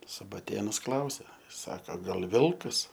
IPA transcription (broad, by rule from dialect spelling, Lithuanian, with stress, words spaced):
sʊbɐˈtʲeːnʊs ˈklˠɐʊsʲɛ ˈsɑːkɐ ɡɐlʲ ˈʋʲɪlˠkɐs